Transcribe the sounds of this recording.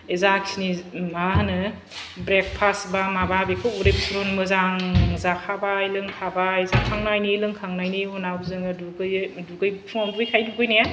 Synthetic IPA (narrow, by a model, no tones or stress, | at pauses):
ezaksinimaɦanɯ | bɾek̚pʰasbamababekʰɯuɾepsɾonmɯzaŋzakʰabailɯŋkʰabaezakʰaŋnajnilɯŋkʰaŋnajniɦunabzɯŋɯduɡɯjduɡɯjpʰɔnɡɯjkʰajduɡɯjnaja